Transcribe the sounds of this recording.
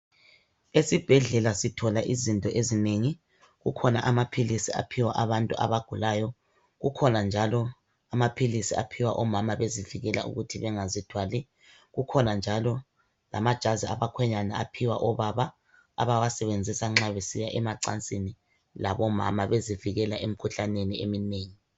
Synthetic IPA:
esib̥ʱɛɮɛlasitʰɔlaʔizintʼɔʔezineŋi | ɣukʰɔnaʔamapʰilisia̰pʰiwaʔaβantʼuʔa̰βaɡ̥ʱulajɔ | ɣukʰɔnand͡ʒʱalɔ | amapʰilisia̰pʰiwaʔɔmamaβeziviɣɛla̰ṵɣutʰiβɛŋazid̥ʰʱwali | ɣukʰɔnand͡ʒʱalɔ | lamad̥ʒ̥ʱaziaβakʰwɛɲanaapʰiwaʔɔβaβa̰ː | βawasɛβend͡zʱisaŋ͡ǁaβesijaʔɛmaǀant͡sʼini | laβɔma̰maβeziviɣɛlaʔem̩kʰuɬaneniḛmineːŋi

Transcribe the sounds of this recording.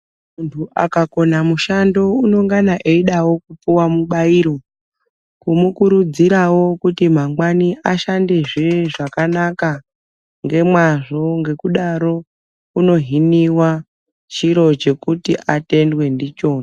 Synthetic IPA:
muntʰuʔa̰kako̞namuʃando̞uno̞ŋɡanaʔeiɗawo̞kup͡fuwamuɓaiɾo̞ | kumukuɾud͡ziɾawo̞kutim̤aŋɡwaniʔaʃande̞ʐeʐakanaka | ŋɡe̞mwaʐo̞ŋɡe̞kuɗaɾo̞ | uno̞ɦiniwa | t͡ʃiɾo̞t͡ʃe̞kutiʔate̞ndwe̞ndit͡ʃo̞ːna

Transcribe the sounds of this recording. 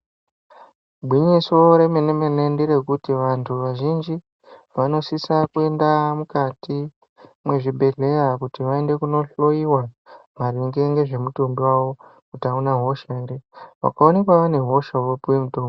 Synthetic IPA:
bʱwiɲiso̞ɾe̞me̞nemenendiɾe̞kutiʋantʰuʋaʒind͡ʒi | ʋano̞sisakue̞ndamukati | mwe̞ʐibʱe̞ɮe̞jakutiʋae̞nde̞kuno̞ɬo̞iwamariŋɡeŋɡe̞ʐe̞mutombiwaʋo̞kutaunaɦo̞ʃaeɾeʋa̰kao̞ne̞kwaʋane̞ɦo̞ʃawopuwemutoːmbi

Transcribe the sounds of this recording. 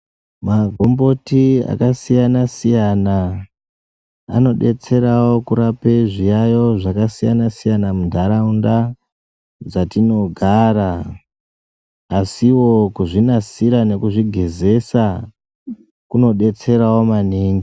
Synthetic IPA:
maɡʱo̞mbo̞tia̰kasijanasijana | no̞ɗe̞t͡se̞ɾawo̞kuɾapeʐijajo̞ʐakasijanasijanamundʱaɾaunda | d͡zatino̞ɡʱaːɾa | siwo̞kuʐinasiɾane̞kuʐiɡʱe̞ze̞sa | kuno̞ɗe̞t͡se̞ɾawo̞maniːŋɡi

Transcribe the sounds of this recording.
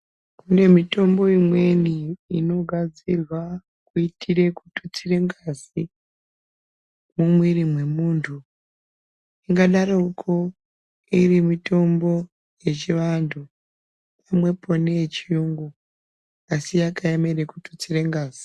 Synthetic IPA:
kune̞mito̞mbo̞imwe̞niːno̞ɡʱad͡zirwa | kuitʰiɾe̞kutu̥t͡sire̞ŋɡazi | mumwiɾimwe̞muːntʰu | iŋɡaɗaɾoukʰo | irimito̞mbo̞ | je̞t͡ʃiʋantʰu | pamwe̞po̞net͡ʃiuŋɡu | asijakaeme̞ɾe̞kutu̥t͡sire̞ŋɡaːz̥i̥

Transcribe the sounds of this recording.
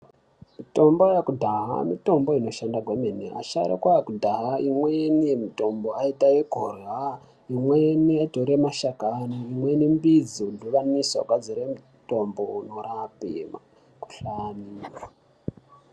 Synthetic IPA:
mito̞mbojakudʱaɦa̰mito̞mbo̞ino̞ʃandaɡwemenḛʔa̰ʃa̰ɾḛkwaakudʱaɦaʔimwenijemito̞mboaitaeɡʱoreɦwa | imweeniatoɾemaʃakanoimwenimbid͡ziduʋaniso̰kwad͡ziɾemu | to̞mbounoɾapḛma̰ | ku̥ɬaniːa

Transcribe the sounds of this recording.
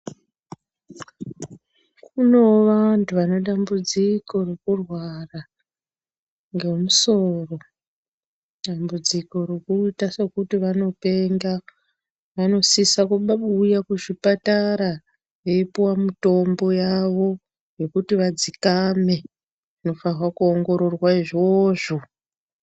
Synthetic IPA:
kuno̞ʋantʰuʋano̞ɗambud͡ziko̞rekurwara | ŋɡe̞muso̞ro̞ | ɗambud͡ziko̞ɾo̞kuitasekutiʋano̞pe̞ŋɡa | ʋano̞sisakuɓaɓuːjakuʐipataɾa | jeipuwamuto̞mbo̞jaʋo̞ | je̞kutiʋad͡zikame̞ | ino̞farwakuoŋɡo̞ɾo̞rwaiʐoːʐo̞

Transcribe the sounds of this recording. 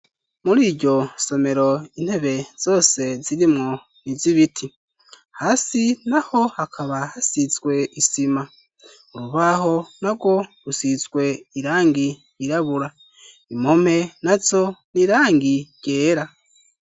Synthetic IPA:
muɾiːɾɟo̞so̞me̞ɾo̞in̥he̞βe̞z̥o̞ːse̞ziɾimŋo | niziβitʰi | haːsinaho̞hakʰaβahasit͡swe̞isima | oɾuβaho̞naɡo̞ɾusit͡sɡwe̞iɾaːŋɡiː | ɾaβuɾa | imome̞nazo̞niɾaːŋɡiɟ̥e̞ːɾa

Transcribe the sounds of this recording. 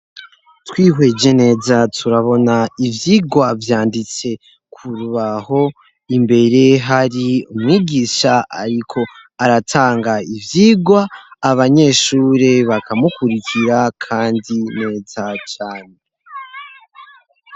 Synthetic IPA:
twiːɦwe̞d͡ʒe̞ne̞ːzatʰuɾaβo̞naivjiːɡwavjaːndit͡se̞ | kʰuɾuβaho̞ | imbe̞ɾe̞ɦaɾiumŋiːɡiʃaa̰ɾikʰo̞aɾatʰaːŋɡaivjiːɡwaːβaɲe̞ːʃuːɾeβakʰamukuɾikʰiɾakʰaːndine̞ːzat͡ʃaːne

